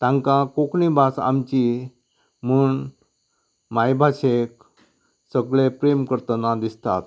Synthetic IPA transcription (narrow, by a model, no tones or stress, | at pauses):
t̪ãŋkãkokɳibasa̰mt͡ɕi | m̤uːɳ | majbʱaɕek̚ | səɡɭepɾemkəɾt̪ənad̪ist̪a̰t̪̚